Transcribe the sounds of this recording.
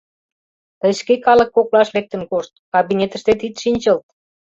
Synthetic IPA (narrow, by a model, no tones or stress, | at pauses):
t̪əjʃkekɑlə̆kːoklɑʃlek̚t̪ə̆nkoʃt̪̚kɑβinʲet̪ə̆ʃt̪et̪̬it̪ʃinʲt͡ɕəlt̪